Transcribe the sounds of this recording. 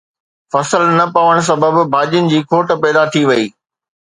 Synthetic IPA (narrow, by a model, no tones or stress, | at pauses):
fɐsəlnɐpɐʋəɽ̃s̬ɐbəbbʱaːd͡ʑijənɪ̆d͡ʑiːkʰoːʈ̆pɛːd̪at̪ʰiʋɐiː